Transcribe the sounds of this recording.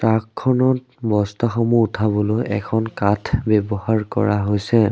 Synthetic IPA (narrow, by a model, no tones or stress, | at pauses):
takʰːɔnɔt | bɔstɔxɔmuutʰabɔlojɛ̰kʰɔnkatʰbɛbɔhaɹkɔ̰ɹaɦojsɛ